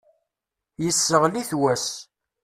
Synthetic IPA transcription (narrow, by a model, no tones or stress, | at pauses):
jəsːəʁliθwæs